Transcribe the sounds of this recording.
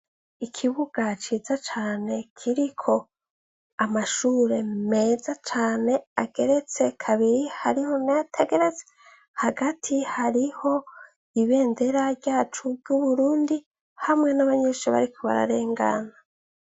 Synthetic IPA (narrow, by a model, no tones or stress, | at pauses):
ikʰiβuɡ̥at͡ʃiːzat͡ʃaːne̞kʰiɾikʰo̞ | amaʃuːɾe̞me̞ːzat͡ʃaːne̞aɡe̞ɾe̞t͡se̞kʰaβiɾihaɾiho̞najatʰe̞ɡe̞ɾe̞t͡se̥ | haɡatʰihaɾiho̞ | iβe̞ːnde̞ɾaɾɟaːt͡ʃuɟuβuɾuːndi | hamŋe̞naβaɲe̞ʃiβa̰ɾikʰoβa̰ɾa̰ɾe̞ːŋɡa̰na